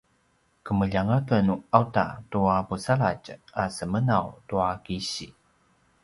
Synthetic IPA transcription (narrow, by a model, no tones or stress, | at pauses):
kəməʎaŋakənuawta̰tuapusaɭa̰casəmənawtuakiɕi